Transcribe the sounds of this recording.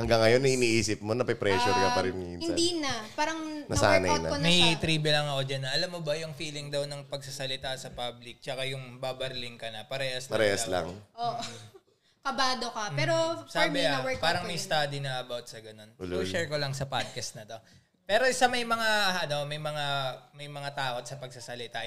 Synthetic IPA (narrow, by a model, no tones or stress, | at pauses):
hɐŋɡaŋːɐjo̞nɐʔɪniːʔiːsɪp̚monɐpɐpɾɛʃʊɾkɐɐɾɪnɪɪnd̪inɐpaːɾɐŋnɐa̰nɐjnɐ̰onmɐjt̪ɾiːbɛlɐŋɐkod͡ʒɐnːɐʔɐlamːobɐjʊŋfiːlɪŋd̪ɐwnɐŋpɐɡ̚sɐsɐlɪt̪asɐpablɪk̚t͡ʃɐkajʊŋbabɐɾlɪŋkɐnɐpɐɾɛːhɐsɐɾɛːhɐla̰ŋʔoːʔo | kɐbaːd̪okɐpɛːɾosaːbɪɐwɛpaːɾɐŋmɐjst̪ad̪inɐʔɐbawt̪̚sɐɡɐno̞noʃɛɹkolɐŋsɐpad̪̚kɐst̪nɐt̪o̞ | pɛːɾo̞sɐmɐjmɐŋaʔɐno̞mɐjmɐŋamɐjmɐŋat̪aːʔot̪̚sɐpɐɡ̚sasɐlɪt̪a